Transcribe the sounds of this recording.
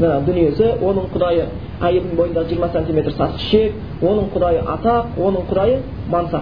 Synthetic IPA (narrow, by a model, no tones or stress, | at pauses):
ɑnɑd̪ʏnije̞sɪwʔo̞nəɴqʰʊd̪ɑjə | æje̞ld̪ɪŋbo̞jənd̪ɑʁəʒijəɾmɑsenʲt̪ime̞t̪ɾsɑt̪ə̥ʃe̞k̚ | wo̞nəɴqʰʊd̪ɑjəʔɑt̪ɑq̚wo̞nəɴqʰʊd̪ɑjə | mɑnsɑ